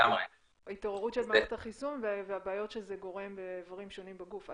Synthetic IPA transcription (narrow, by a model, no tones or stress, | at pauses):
ame | ait̪o̞ʁeʁutʃelmaet̪aχisunveveabaːjo̞tʃezeɡo̞ʁe̞mbeːvaʁimʃo̞nimbaɡufa